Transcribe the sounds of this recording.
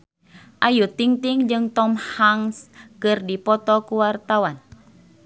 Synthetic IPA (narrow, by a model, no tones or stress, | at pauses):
ʔajut̪iŋt̪iŋd͡ʒɨŋt̪ɔmhaŋskɨrdipɔt̪ɔkuwart̪awan